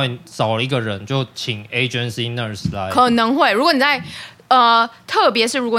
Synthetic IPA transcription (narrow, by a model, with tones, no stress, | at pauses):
e˥˩sɑ˨˩ʊlə˦i˧˥ɡə˨ɻə˨˦nt͡ɕjo˥˩ʊt͡ɕʰi˨˩ŋe˧ɪd͡ʒə˦nsi˦nə˥˨˩sla˨˧˦kʰɤ˨˩nɤ˧˥ŋxwe˥˩ɪɻu˧˥kwɔ˧˦ni˨˩t͡sa˥˧ɪ | ə˧t̪ʰɤ˥˨˩pjɛ˧˥ʂɻ̩˥˩ɻu˧˥kwɔ˧˨